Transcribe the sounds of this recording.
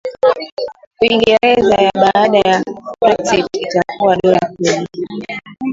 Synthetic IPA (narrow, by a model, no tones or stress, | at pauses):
kuiŋɡɛɾɛzajaɓaːɗajakɔɾtititakuwaɗɔɾakuli